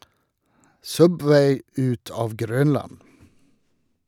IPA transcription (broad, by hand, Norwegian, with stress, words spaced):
ˈsœbʋæɪ ˈʉt ˈɑːʋ ˈɡɾœnlɑn